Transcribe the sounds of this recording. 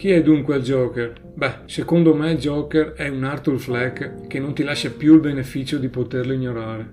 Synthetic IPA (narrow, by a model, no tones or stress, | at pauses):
kiɛd̪uŋkweald͡ʒɔːker | bɛsekond̪omɛld͡ʒɔːkerɛunart̪ulflɛkkːenont̪ilaʃːapjuilbenefiːt͡ʃod̪ipot̪erloiɲːoɾaːɾe